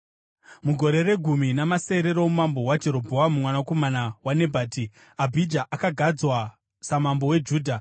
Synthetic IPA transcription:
muɡʱo̞ɾe̞re̞ɡʱuminamase̞ɾe̞ɾomumambo̞wad͡ʒe̞ɾo̞bʱoamumwanako̞manawane̞bʱaːti | abʱid͡ʒaʔakaɡʱad͡zwa | samambo̞we̞d͡ʒuːdʱa

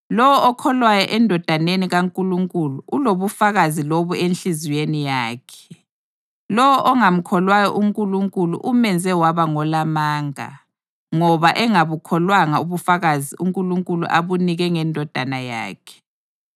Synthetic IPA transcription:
lɔwɔɔkʰɔlwajɔʔɛndʱɔd̥ʱaneniɣaŋkʼuluŋkʼuluʔuloβufaɣaziloβuenɬiziwenijaːkʰɛ̥ | lɔwɔʔɔŋam̩kʰɔlwajɔ̰ʔuŋkʼuluŋkʼulṵʔumɛnd͡zʱɛwaβaŋɔlamaːŋa̰ | ŋɔβaʔɛŋaβukʰɔlwaŋauβufaɣaziuŋkʼuluŋkʼulṵʔaβuniɣɛŋɛndʱɔd̥ʱanaja̰ːkʰɛ̥

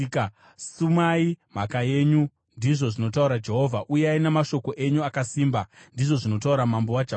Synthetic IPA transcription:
sumaim̤akaje̞ːɲu | ndiʐo̞ʐino̞tauɾad͡ʒe̞ɦo̞vʱaʔujeainemaʃo̞ko̞ʔe̞ɲuakasiːmbandiʐo̞ʐino̞t̬auɾamambo̞wad͡ʒeɦ

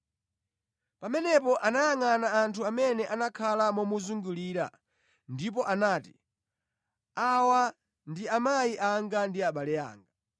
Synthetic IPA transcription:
pamɛnɛpɔʔanajaŋanaːntʰuamɛnɛʔanakʰalamɔmuzuŋɡuliɾa̰ | ndip̬ɔʔanaːti | awa | ndiamaiʔaŋɡandiaɓalɛa̰ːŋɡa

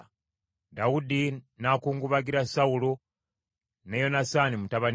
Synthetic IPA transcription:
dawudi | nakuːŋɡuβaɡiɾasaulo | nejo̞nasanimutaβan

